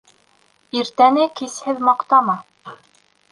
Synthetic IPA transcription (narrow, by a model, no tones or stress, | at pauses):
iɾt̪ænɘkishɘðmɑqt̪ɑmɑ